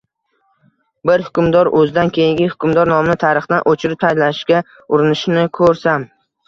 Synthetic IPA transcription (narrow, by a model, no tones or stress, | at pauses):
bɪɾhʊkʰʲʊmd̪ɒɾɵzɪd̪ankʲejɪŋɡʲɪhʊ̥kʲʰʊmd̪ɒɾnɒmnɪt̪ʰaɾɨχd̪anʔot͡ʃʰɪɾɪp̚t̪ʰajlaɪʃkʲa | ʊɾɪnɪʃnɪkʰɵɾsam